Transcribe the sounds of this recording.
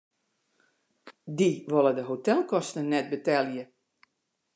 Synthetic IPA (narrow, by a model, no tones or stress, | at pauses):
diʋolˠədəɦotɛlˠkɔstnənɛt̚bətɛljə